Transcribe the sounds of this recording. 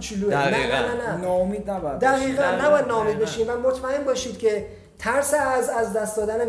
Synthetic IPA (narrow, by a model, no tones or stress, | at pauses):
t͡ʃʰiluenænnænænmid̪æbd̪æʁiːɣænːæbɒːjæd̪̚nɒːomiːd̪̚be̞ʃiːmvæmot̪ʰmæe̞mbɒːʃiːd̪̥cʰʲe̞ | t̪ʰæɾseæzæzd̪æst̪d̪ɒːd̪æne